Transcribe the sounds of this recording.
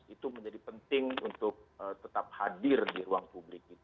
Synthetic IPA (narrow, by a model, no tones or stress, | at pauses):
it̪uməɲd͡ʒadipənt̪ɪŋṵnt̪ʊk̚ət̪ət̪ap̚hadɪrdiɾuaŋpublɪk̚it̪